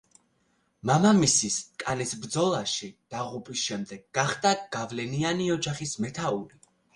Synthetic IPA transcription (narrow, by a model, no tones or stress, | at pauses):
mamamisiskʼanɛsbɾd̪zɔlˠaʃid̪̥aʁupʼisʃɛmd̪ɛɡːaχd̪aɡ̥avlɛnianiɔd͡ʒaχismɛt̪ʰauɾi